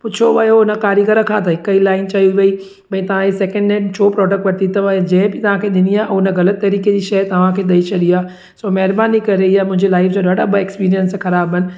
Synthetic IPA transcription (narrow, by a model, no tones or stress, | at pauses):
pʊt͡ɕʰoʋɐjoʊnəkaːɾjiɡəɾə̃kʰãt̪ɐɦɪkəilaːɪnt͡ɕɐjuʋɐi | bɐĩt̪ɐʋ̤ãisɛːkə̃ɳɖẽt͡ɕʰoːpɾɔːɖək̚ʈʋɐt̪it̪ɐʋãd͡ʑɐ̃ɦɪ̃bɪt̪ɐʋ̤ãkʰeɗɪniaːʔʊnəɣɐlət̪ːɐɾiːked͡ʑiːʃɐt̪ɐʋ̤ãkʰeːɗ̪ɐit͡ʃʰɐɗiaː | soːmɛɦɪɾbaːnikɐɾeɪjamʊ̃ɦɪ̃ɲd͡ʑelaːɪfd͡ʑoɗaːɖabɐekspiːɾijənsxɐɾaːbɦənɪ̆